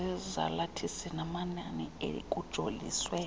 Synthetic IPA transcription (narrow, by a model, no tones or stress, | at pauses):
ɛza̰latʰisɛnamananiḛlḭkʼud̥ʒ̥ʱolḭːswɛ